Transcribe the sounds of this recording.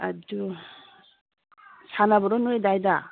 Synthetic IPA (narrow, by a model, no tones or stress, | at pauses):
adu | sanabɔɾɔnuedajda